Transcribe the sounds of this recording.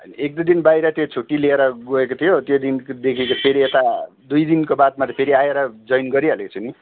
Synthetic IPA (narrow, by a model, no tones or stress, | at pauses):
ʌjnek̚d̪ʌd̪inbajɾʌt̪jot͡sʰuʈːilieɾʌɡoekot̪ʰijot̪jod̪ind̪ekʰikopʰeɾiet̪a | d̪ujd̪inkobat̪̚mat̪ʌpʰeɾiajeɾʌd͡zʌjnɡʌɾiʌleket͡sʰuni